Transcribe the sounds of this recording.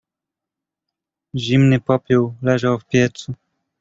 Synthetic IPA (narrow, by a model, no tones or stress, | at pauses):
ʑimnɘpɔpʲjuwlɛʐawfpʲjɛt̪su